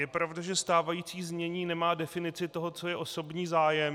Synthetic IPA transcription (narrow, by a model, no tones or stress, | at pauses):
jɛpɾavdaʒɛst̪aːvajiːt͡siːzmɲɛɲiːnɛmaːdɛfɪnɪt͡sɪt̪o̞ɦo̞t͡so̞jɛʔo̞so̞bɲiːzaːjɛm